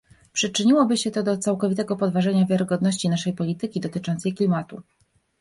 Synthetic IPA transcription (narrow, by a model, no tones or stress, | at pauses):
pʂɘt͡ʂɘɲiwɔbɘɕɛt̪ɔd̪ɔt̪sawkɔvʲit̪̬ɛɡɔpɔd̪vaʐɛɲavʲjaɾɘɡɔd̪nɔɕt͡ɕinaʂɛjpɔlʲit̪ɘkʲid̪ɔt̪ɘt͡ʂɔnt̪sɛjklʲimat̪ṵ